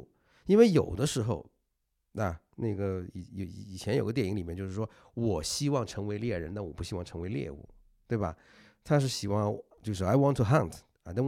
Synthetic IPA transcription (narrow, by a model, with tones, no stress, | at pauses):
i˥nwe˥˩ɪjo˨˩ʊd̪ə˦ʂɻ̩˧˥xo˥˧ʊ | na˧˩ | na˥˩ɡə˩ḭ˨˩˧i˨˩t͡ɕʰjɛ˧˥njo˨˩ɡət̪jɛ˥˩ni˧˥ŋli˨˩mɛ˥nt͡ɕjʂɻ̩˥˩ʂwɔ˥ | wɔ˨˩ɕi˥wɑ˥˩ŋʈ͡ʂʰɤ˧˥ŋwe˧˥ɪljɛ˥˩ɻə̰˧˥nt̪a˥˩nwɔ˨˩pu˥˩ɕi˥wɑ˥˩ŋʈ͡ʂʰɤ˧˥ŋwe˧˥ɪljɛ̰˥˧ṵ˥˩ | t̪we˥˩ɪbɐ̰˩ | t̪ʰa˥ʂ̬ɻ̩˥˩ɕi˨˩xwɑ˥˧t͡ɕjo˥˧ʂ̬̩˥˩a˧˥ɪwɑ˥nt̪ʰːu˨ɦa˥˩ntʰ | a˧t̪a˥˧